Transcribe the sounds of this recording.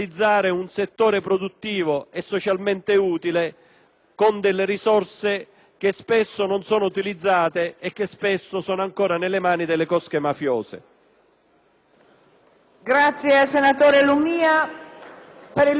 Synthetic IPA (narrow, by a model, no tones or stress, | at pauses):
id̪zːaːɾeunset̪ːoːɾepɾɔd̪ut̪ːiːvoɛsːɔt͡ʃalment̪ɪuːt̪ilɪ | kond̪elːɪɾisɔrse | k̟espɪsːononsɔːnout̪ilid̪zːaːt̪eɛk̟ːespesːosɔːnoaŋkoːɾanelːemaːnid̪ɪlːekɔskemafjoːsḛ | ɡɾat̪sjeasenat̪oːɾelumiːa | peɾi